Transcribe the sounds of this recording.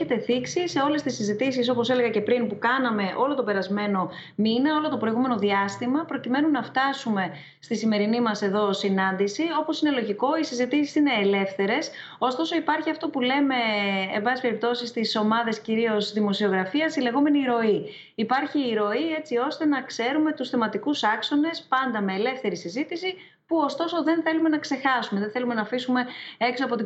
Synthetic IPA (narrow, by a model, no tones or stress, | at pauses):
et̪e̞θiksise̞o̞le̞st̪isizit̪isis̬o̞po̞sele̞ɣɐce̞pɾinpukɐnɐme̞ʔo̞lo̞t̪o̞pe̞ɾɐzme̞no̞minɐo̞lot̪o̞pɾo̞iɣume̞no̞ðiɐst̪imɐpɾo̞cime̞nunɐft̪ɐsume̞ | st̪isime̞ɾinimɐse̞ðo̞sinɐnd̪isio̞po̞sine̞lo̞ʝiko̞isizit̪isi̥sine̞ːle̞fθe̞ɾe̞s | o̞st̪o̞so̞ipɐɾçiɐft̪o̞pule̞me̞ːmbɐsispe̞ɾip̚t̪o̞sist̪iso̞mɐðe̞sciɾio̞zðimo̞sio̞ɣɾɐfiɐsile̞ɣo̞me̞niɾo̞iː | pɐɾçiːɾo̞ie̞t͡sio̞st̪e̞nɐkse̞ɾume̞t̪usθemɐt̪ikusɐkso̞ne̞spɐnd̪ɐme̞ːle̞fθe̞ɾisizit̪isi | puo̞st̪o̞so̞ðe̞nθe̞lume̞nɐkse̞xɐsumeðeθelume̞nɐfisume̞eksoɐpo̞t̪i